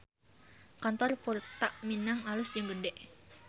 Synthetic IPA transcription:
kant̪ɔrkurt̪aʔminaŋalʊsd͡ʒɨŋɡədɛʔ

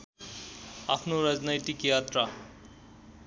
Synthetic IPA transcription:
apʰnoɾʌd͡znajt̪ikjat̪ra

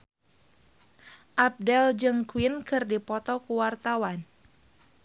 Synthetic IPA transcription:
ʔab̚dɛld͡ʒɨŋkuinkɨrdipɔt̪ɔkuwart̪awan

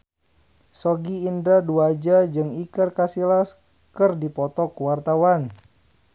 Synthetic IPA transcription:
sɔɡiːndaduad͡ʒad͡ʒɨŋikərkasilas | kərdipɔt̪ɔkuwart̪awan

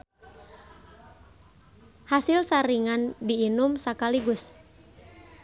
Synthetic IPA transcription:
hasɪlsaɾiŋandiːnʊmsakaliɡʊs

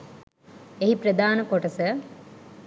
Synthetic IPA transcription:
eɦipɾəd̪aːnəkoʈəsə

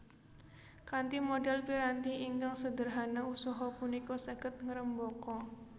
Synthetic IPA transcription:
kant̪imɔdɛlpiɾant̪iʔiŋkaŋsədərɦanausɔɦɔpunikɔsəɡət̪̚ŋəɾəmbɔkɔ

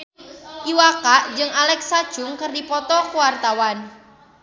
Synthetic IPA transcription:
ʔiwakaʔd͡ʒɨŋalɛksad̥ʒ̥ʊŋkɨrdipɔt̪ɔkuwart̪awan

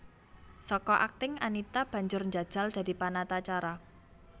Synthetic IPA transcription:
sɔkɔʔak̚t̪ɪŋanit̪ab̥ä̤ɲd͡ʒʊrɲd͡ʒad̥ʒ̥a̤ld̪̥a̤d̪̥i̤panat̪at͡ʃaɾa

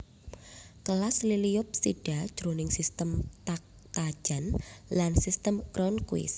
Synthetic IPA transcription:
kəlaslilijʊp̚siɖ̥ḁʒ̥ɾonɪŋsist̪əmt̪ak̚ | t̪ḁʒ̥a̤nlansist̪əmɡɾɔnkuwɪ̰s

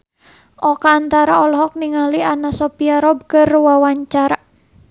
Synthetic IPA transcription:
ʔɔkaːnt̪aɾaɔlɔɦɔk̚niŋalianasɔpiaɾɔb̚kərwawaɲt͡ʃaɾa

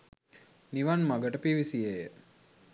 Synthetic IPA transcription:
niʋanmaɡəʈəpiʋisiejə

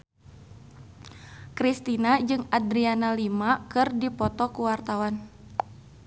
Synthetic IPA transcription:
kɾist̪inad͡ʒɨŋadɾianalimakɨrdipɔt̪ɔkuwart̪awan

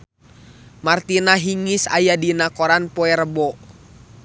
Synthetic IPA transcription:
mart̪inaɦiŋisa̰jadinakɔɾanpɔɛɾəbɔ

